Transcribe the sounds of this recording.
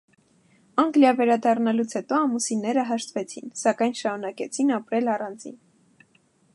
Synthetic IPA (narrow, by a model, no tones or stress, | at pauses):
ɑŋɡljɑvɛɾɑd̪ɑrnɑlut͡sʰhɛt̪ɔɑmusinɛɾəɦɑʃt̪vɛt͡sʰinsɑkɑjnʃɑɾunɑkɛt͡sʰinɑpɾɛlɑrɑnd͡zḭn